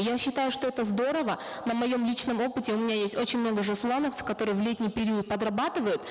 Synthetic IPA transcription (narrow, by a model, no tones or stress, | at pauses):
jaɕːɪt̪ajʊʂt̪o̞ɛt̪əzd̪o̞ɾəvə | nəmɐjo̞mlʲit͡ɕnəmo̞pɨtʲɪʊmʲɪnʲajesʲtʲo̞t͡ɕɪnʲmno̞ɡəʐɨslˠanəft̪sə̥fkɐt̪o̞ɾɨjəvlʲet̪ʲnʲɪjpʲɪɾʲiət̪̚pəd̪rɐbat̪ɨvəjʊt̪